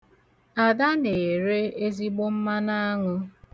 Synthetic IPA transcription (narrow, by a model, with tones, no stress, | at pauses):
a˨da˦ne˨ɾe˦e˦zi˦ɡ͡bo˦m̩˦ma˦na˦a˦ŋʊ˦